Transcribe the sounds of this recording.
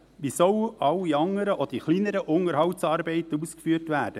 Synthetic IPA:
ʋisœwʔɑwiɑŋːəɾəʔɔd̥iχlinəɾəʔʊŋəɾhɑwtsɑːɾbɛɪt̪əuːskfyːrtʋæːd̥ə

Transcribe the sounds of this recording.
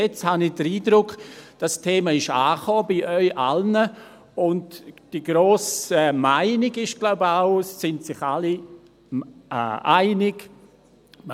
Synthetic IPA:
ɛt͡shanɪd̥əɾiːdɾʊkd̥astʰeːmaɪʃaːχɔːbiʔœʏʔa̰lnə | ʊndd̥iɡɾoːsɛmaɪnɪɡɪʃɡ̥laʊbəaʊsːɪntsɪχali | ʔaɪnɪɡ | m

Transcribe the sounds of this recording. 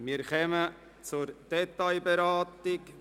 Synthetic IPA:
miːɾχɛmə | t͡sʊɾd̥ɛtaɪbɛɾaːtɪk

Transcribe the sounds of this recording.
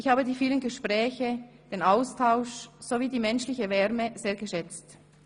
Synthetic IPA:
ʔɪçhaːbədiːfiːlənɡəʃpʁɛːçə | d̥eːnaʊstʰaʊʃz̥oviːdiːmɛnʃlɪçəvɛʁməz̥eːɐɡəʃɛt͡st

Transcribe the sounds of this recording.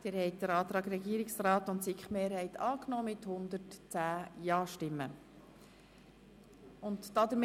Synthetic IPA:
d̥ɪːɾhɛɪjt̚d̥̪əɾɑːt̪ɾɑːɡɾɛɡiːəɾɪksrɑːt̪ʊntsikχmeːɾhɛɪt̪ɑːknɔːmɪt̪hʊnd̪əɾtt͡sæːjɑːʃtɪmːə | ʊntd̥ɑd̪əm

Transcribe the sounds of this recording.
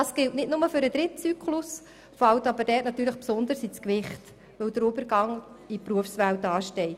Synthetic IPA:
ɑsɡ̥ɪltnɪdnʊməfʏɾəd̥̪ɾɪt̚t͡syːkʰlus | fɑltɑbəɾd̥ɛːtnɑt̪ːyːɾləχpsʊnd̪əɾsit͡skʋɪχt | ʋɵwd̥əɾʊbəɾɡɑŋ | ipɾuəfsʋæwtɑːʃtɛɪt

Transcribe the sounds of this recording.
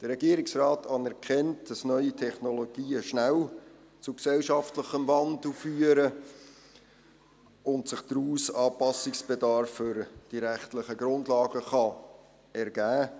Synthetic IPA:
d̥əɾɛɡiəɾɪksrɑːtɑːnɛɾkʰɛnt̚d̥ɑsnœʏitʰɛχnoloɡ̥iːəʃnæl | t͡suksɛlʃɑftləχəmvɑndl̩fyːəɾə | ʊntsɪχd̥ɾuːsɑːpɑsɪksb̥edɑɾfːʏɾd̥iɾæχtləχəɡɾʊndlɑːɡəχɑ | ɛɾɡ̥æː

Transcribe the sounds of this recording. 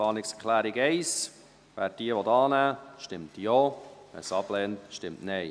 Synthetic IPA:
ɑːnɪkskʰlæːɾiɡɛɪs | ʋæːɾ̚d̥iəʋɔtɑːnæːʃtɪmtjoːɛ̰sɑb̥lɛːntʃtɪmtnɛɪ

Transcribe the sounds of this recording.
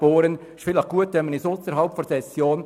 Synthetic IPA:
oːɾənɪʃfɪləχɡ̥uət̪ʋɛnmːənɪsʊsəɾɦɑlpfɔɾsɛsjoːn

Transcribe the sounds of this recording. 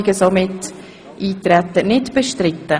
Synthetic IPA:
ɪɡəsomɪt | ʔiːtɾɛt̪ːənɪtb̥əʃtɾɪtːə

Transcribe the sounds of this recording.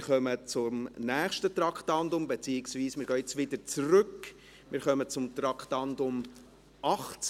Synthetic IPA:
χœmət͡sʊmnæːχʃtət̪rɑkχtɑndʊmbet͡siɪksviːsmɪːɾɡœːɪt͡sʋɪdəɾt͡sɾʏk | mɪɾχœmət͡sʊmt̪ɾɑkχtɑndʊm | ʔɑχt͡s

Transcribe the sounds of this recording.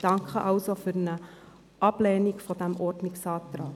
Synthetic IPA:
d̥ɑŋkχəʔɑlsofyrnə | ʔɑplɛːnikfɔdæmʔɔrtniksɑːtrɑː

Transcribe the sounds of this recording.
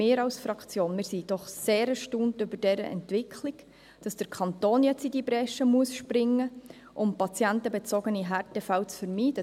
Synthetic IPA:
ɪːɾɑʊsfɾɑkt͡sjoːnmɪːɾsid̥ɔχseːɾɛʃtuːntʏbəɾd̥ɛɾə̰ʔɛ̰ntvɪkʰliɡ | d̥ɑsd̥əɾkʰɑntoːnjɛt͡sidibɾɛʃəmuəsʃpɾɪŋːə | ʔʊmpɑt͡sjɛntəbɛt͡sɔɡ̥əniɦɛɾtɛfælt͡sfəɾmiːd̥ə

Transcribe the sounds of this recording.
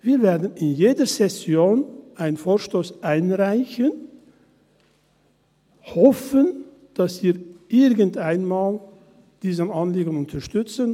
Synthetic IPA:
viːveːɐdn̩ɪnjeːdəzɛsjoːnʔaɪnənfoːɐʃtoːsʔaɪnʁaɪçən | hɔfən | d̥asv̥iːʔɪʁɡəntaɪnmaːl | d̥iːzənanliːɡənʊntʰɐʃtʏt͡sən

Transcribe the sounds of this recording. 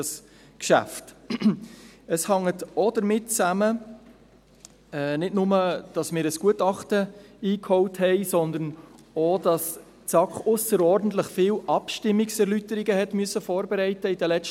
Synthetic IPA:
s | kʃæ̰ft | əshɑŋːətɔd̥əɾmɪtt͡sæmə | ɛnɪdnʊməd̥ɑsmɪːɾəsɡ̥uətɑχtəiːkhɔwthɛɪsɔnd̪ən | odɑs | t͡sɑkχʊsəɾɔːɾdn̩t̪ləχfɪːwʔɑpʃtɪmːiksɛɾlytəɾiɡəhɛtmyəsəfɔːɾbɛɾɛɪtəidəlɛt͡s

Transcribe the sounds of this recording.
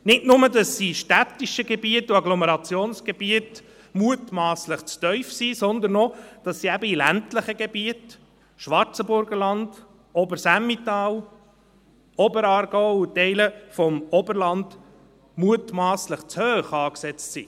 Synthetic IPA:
nɪtnʊmədɑsːiʃtæt̪ːiʃəɡebiətːuɑɡlɔmɛɾɑt͡sjoːnsɡ̥ebiət | muətmɑːsləχt͡stœʏfsisɔnd̪ənɔd̥ɑsːiæbəilæntləχəɡebiət | ʃʋɑɾt͡səbʊɾɡəɾlɑnd̥ | ɔbəɾsæmːit̪ɑːw | ɔbəɾɑːɾɡ̥ɔʊutɛɪləfɔmɔbəɾlɑnd̪̥ | muətmɑːsləχt͡shøːχɑːksɛt͡stsi

